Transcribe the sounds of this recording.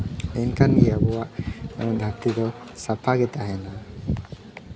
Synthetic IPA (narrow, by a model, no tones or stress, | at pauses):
ɛnkanijabɔwaʔɔd̪ʱak̚t̪id̪ɔ | sapʰaɡɛt̪aɦɛna